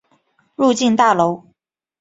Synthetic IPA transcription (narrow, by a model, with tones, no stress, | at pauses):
ɻu˥˧t͡ɕi˥˧nt̪a˥˩lo˧˥ʊ